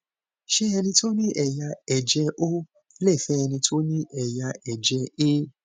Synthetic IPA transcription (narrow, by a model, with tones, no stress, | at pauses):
ʃɛ˦ɛ˧nĩ˧to˦nĩ˦ʔɛ˨ja˧ɛ˨d͡ʒɛ˧ʔo˦ | lɛ˦˨fɛ˦ɛ˧nĩ˧tʰo˦nĩ˦ʔɛ˨ja˧ɛ˨d͡ʒɛ˧e˦